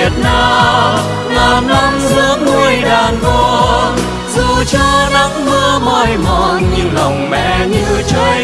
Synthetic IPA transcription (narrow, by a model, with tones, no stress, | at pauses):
ət̚naː˨˧˩ | laː˨˩mna˧mzɨ˧˦əmu˧əjɗaː˨˩nko˧˦˧ | zɨ˨˩t͡ɕɔ˧ɗa˨˦˥k͡p̚mɨ˧əmɔ˧˩jmɔ˨˩nɲɨ˧la˨˩wŋ͡mmɛ̰˧˨ɲɨ˧t͡ɕo˧